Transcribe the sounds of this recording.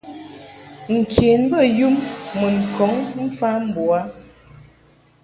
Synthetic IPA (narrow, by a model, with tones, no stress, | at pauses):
ŋ̩˨kʰe˨nbə˦˨ju˦mːə˨ŋ˨kʰɔ˨˦ŋm̩˦fa˦m̩˦bɔ˨a˨˦